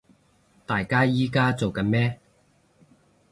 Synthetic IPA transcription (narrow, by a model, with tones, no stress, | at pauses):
t̪aː˨jkaː˥jiː˥kaː˥t͡so˨wkɐ˨˧˥nmɛː˥